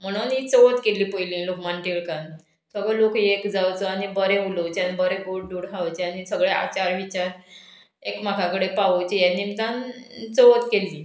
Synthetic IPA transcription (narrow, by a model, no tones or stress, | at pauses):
m̤əɽ̃uːnit͡səʋət̪keliːpojlĩːlokmanʈiɭkan | səɡəlokekd͡zawt͡səanibəɾẽulot͡ɕanbəɾeɡoɽɖuɽɦaʋt͡ɕeanisəɡɭea̰t͡ɕaɾʋit͡ɕaɾ | ekm̤akʰãkəɽepaʋət͡ɕejanːimt̪ant͡səʋət̪keliː